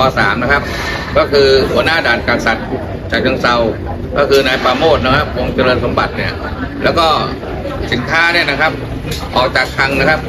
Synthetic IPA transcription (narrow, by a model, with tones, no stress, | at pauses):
ɔː˧saː˩˦mna˦˥kʰa˦˥p̚ | kɔː˥˩kʰɯː˧hu˨˩˦ɐnaː˥˩daː˨˩n̚kaː˧nsa˨˩t̪̚ | t͡ɕaː˨˩k̚nʰaː˧ŋsa˧w | kɔ̰ː˥˩kʰɯː˧naː˧jpaː˧moː˥˩t̪̚na˦˥kʰa˦˥p̚ʔo˧ŋt͡ɕa˧lɤː˧nso˨˩˦mba˨˩t̪̚ni˥˩ɐ | lɛ̰ː˦˥wkɔː˥˩ | si˨˩˦nk̪ʰaː˥˩˨ni˥˩ɐna˦˥kʰa˦˥p̚ | ʔɔː˨˩k̚t͡ɕaː˨˩k̚t̪ʰa˧ŋna˦˥kʰa˦˥p̚